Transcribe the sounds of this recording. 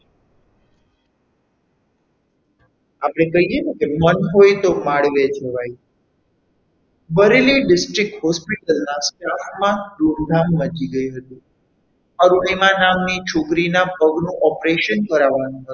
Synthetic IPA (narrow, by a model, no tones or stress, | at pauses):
apɽ̃ekəɦijenukemənɦojt̪omaɽʋed͡ʒəʋaj | bəɾeliɖɪsʈɾɪk̚ʈɦɔspiʈəlnasʈafmãd̪uɾd̪ʱamːəd͡ʒiɡəĩɦət̪ũ | əɾuɽemãnamnit͡ʃʰokɾinapəɡnũʔɔpɾeʃənkəɾaʋanũɦət̪